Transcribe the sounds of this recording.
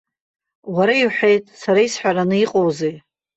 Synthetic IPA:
waɾaiwħe̞jtʼsaɾaisħʷᶣaɾanɨiqʼowze

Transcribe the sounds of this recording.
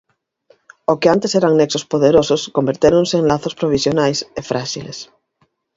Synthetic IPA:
okɪant̪eseɾaŋneksospoðeɾosʊskombeɾt̪eɾonseeŋlaθospɾoβ̞isjonajsefɾaʃilḛs

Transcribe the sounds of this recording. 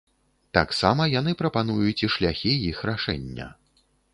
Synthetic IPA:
t̪aksamɐjanɨpɾɐpan̪ujut͡sʲiʂlʲaxʲijixɾaʂɛ̰nʲːɐ̰

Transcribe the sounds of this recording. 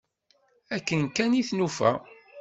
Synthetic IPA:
ækːənkːæniθnufæ̰

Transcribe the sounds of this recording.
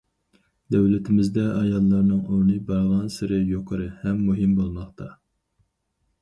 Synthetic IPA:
d̪æwlɪt̪ʰɪmɪzd̪ɛʔɑjɑlˠːɑɾnɨŋoɾnɨbɑɾʁɑnsɪɾɪjoqʰəɾɨhɛmːuɦɪmbolˠmɑχt̪ʰɑ

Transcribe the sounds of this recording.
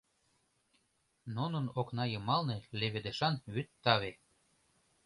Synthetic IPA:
nunənoknɑjɤmɑlneleβed̪eʃɑnβyt̪ːɑβe

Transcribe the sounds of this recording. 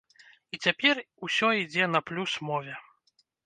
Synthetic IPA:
it͡sʲapʲɛr | usʲɔid͡zʲɛnɐplʲusmɔvʲɛ

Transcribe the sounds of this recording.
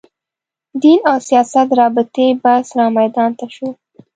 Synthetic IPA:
d̪inawsijɑsat̪ɾɑbɪt̪ebasɾɑmajd̪ɑnt̪aʃu

